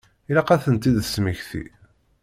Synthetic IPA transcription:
ilɑqæθənt̪iðəsməçθḭ

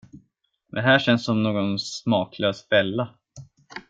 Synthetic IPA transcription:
mɛ̰nɦæːʂɛnssɔmnoːɡɔnsmɑːkʰløːsvɛlːa

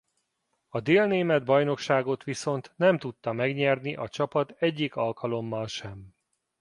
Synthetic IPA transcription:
ɒd̪eːlneːmɛd̪̚bɒjn̪o̞kʃaːɡo̞t̪ʋiso̞nt̪nɛmt̪ut̪ːɒmɛɡɲɛrniʔɒt͡ʃɒpɒt̪ɛɟːikɒlkɒlo̞mːɒlʃɛm

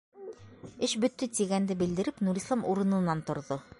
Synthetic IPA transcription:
ɘʃbɵ̆t̪ːɘt̪iɡænd̪ɘbɘ̆ld̪ɘ̆ɾɘpnuɾʲislˠɑmuɾɤ̆nɤ̆nːɑnt̪ŏɾðo

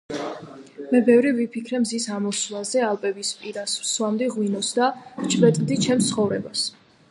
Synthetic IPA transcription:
mɛbɛvɾivipʰikʰɾɛmzisamɔslazɛalˠpʼɛbispʼiɾasswamd̪iʁwinɔsd̪avt͡ʃʰbɛt̪ʼd̪it͡ʃʰɛmt̪sʰχɔvɾɛbas

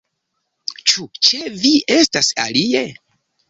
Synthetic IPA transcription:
t͡ʃut͡ʃe̞vie̞stasa̰lie̞

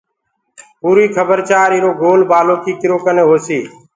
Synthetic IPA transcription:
puːɾiːkʰəbəɾt͡ʃaːɾiːɾoːɡʱoːlbaːloːkʰiːkɪɾoːkəneːɦoːsiː

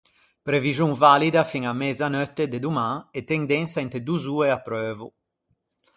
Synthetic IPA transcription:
pɾeviʒjuŋvalid̪afiŋamɛzanøt̪ːed̪ed̪umãŋet̪ɛŋd̪ɛnsaɛnt̪ed̪uzueapːɾøːvṵ

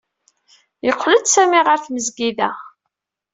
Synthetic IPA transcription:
jəqʰːləd̪sæmiʁəɾθməzɡiðæ

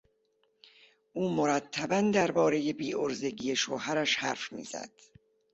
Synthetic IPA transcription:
ʔuːmoɾæt̪ʰːæbænd̪æɾbɒːɾe̞je̞biːʔoɾze̞ɟiːjeʃoːɦæɾæʃhæɾfmḭːz̥æ̰d̪̥

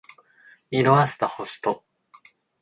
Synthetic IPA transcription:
iɾoasɨ̥t̪ahoɕi̥t̪o

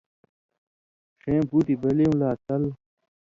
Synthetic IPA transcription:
ʂẽːbuːʈibɐleũlaːt̪ɐl

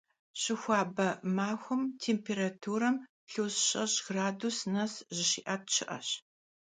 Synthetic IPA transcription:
ɕɪxʷɑːbɐmaːxʷʊmtʰeːmpʰeːɾatʰuːɾɐm | ɬuːsɕʼɐɕɡraːdusnɐsʑɪɕḭːʔaːt̚t͡ʃʰɪʔɐ̰ɕ

